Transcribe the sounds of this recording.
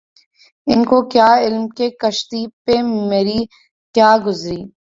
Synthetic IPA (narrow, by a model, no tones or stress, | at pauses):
ɪnkokjaːɪlmkekɐʃt̪iːpemeɾi | kjaːɡʊzɾiː